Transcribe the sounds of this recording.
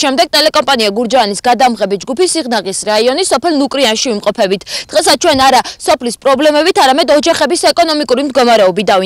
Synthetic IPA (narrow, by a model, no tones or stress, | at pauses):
ʃɛmd̪ɛɡ̚t̪ʼɛlɛkʼɔmpʼaniaɡuɾd͡ʒaːnisɡad̪amʁɛbid͡ʒɡupisiʁnaʁisɾaiɔnisɔpʰɛlˠnukʼɾianʃivimqʼɔpʰɛbit̪ʰd̪̥ʁɛs̬at͡ʃʰwɛnaɾasɔpʰlispʼɾɔblɛmɛbit̪ʰaɾamɛd̪ɔd͡ʒaχɛbisɛkʼɔnɔmikʼuɾimd̪ɡɔmaɾɛɔbid̪avi